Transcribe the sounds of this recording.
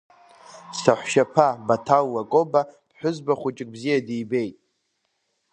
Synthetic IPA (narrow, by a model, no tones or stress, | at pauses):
saħʷʃapʰabatʰalːakʼobapʰħʷᶣʊzbaχʷʊt͡ʃʼɪkʼbzijadijbe̞jtʼ